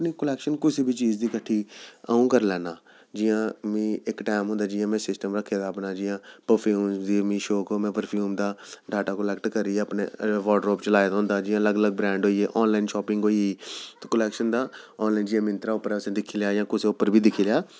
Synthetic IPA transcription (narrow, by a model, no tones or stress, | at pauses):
əpniːkəlɛːkʃənkʊsiːbʱiːt͡ʃiːd͡ʒd̪iːkəʈʰːiːə̰ũːkəɾlɛːnaː | d͡ʒɪjãːmĩːɪkʈaːɪmɦʊ̃nd̪aːd͡ʒɪjãːmɛ̃ːsɪsʈəmɾəkʰːeːd̪aːpnaːd͡ʒɪjãːpəɾpʰjuːmd̪iːmĩːʃoːkoːmɛ̃ːpəɾpʰjuːmd̪aːɖʱaːʈaːkəlɛːkʈkəɾiːeəpnḛːʋɔːʈəɾoːpt͡ʃəlaːjd̪aɦʊ̃nd̪aːd͡ʒɪjãːləɡələɡ̚bɾɛ̃ːɳɖɦoːiːeːʔɔːnlaːiːnʃɔːpɪ̃ŋɡoːiːiːt̪oːkəlɛːkʃənd̪aːɔːnlaːind͡ʒɪjãːmɪ̃nt̪ɾaːʊpːəɾɛsẽːd̪ɪkʰiːljaːjãːkʊseːʊpːəɾbʱiːd̪ɪkʰiːljaː